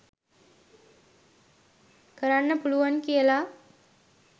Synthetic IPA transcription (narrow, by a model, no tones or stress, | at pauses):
kəɾanːəpuɭuʋankela